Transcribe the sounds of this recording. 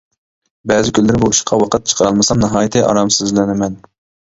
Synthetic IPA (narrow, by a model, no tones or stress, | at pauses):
bɛzɪkʲʰynlːɪɾɪbuiʃqʰɑwɑqʰət̪̚t͡ʃʰə̥qʰəɾɑlˠmɨsɑmnɨɦɑːjit̪ʰɪʔɑ̰ɾɑmsɪzlɪnɪmɛn